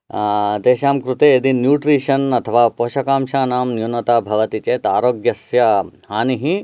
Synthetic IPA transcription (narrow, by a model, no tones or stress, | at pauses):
d̪eːʃaːmkɾut̪eːid̪injuːʈɾiːʃɐnɐt̪ʰɐʋaːpoːʃɐkaːmʃaːnaːmnjunɐt̪aːbʱɐʋɐt̪it͡ʃeːt̪aːɾoːɡjɐsjɐhaːniɦi